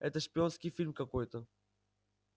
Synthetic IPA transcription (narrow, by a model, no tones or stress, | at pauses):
ɛ̰t̪ɐʃpiõskifiɾmkɐkojt̪ɐ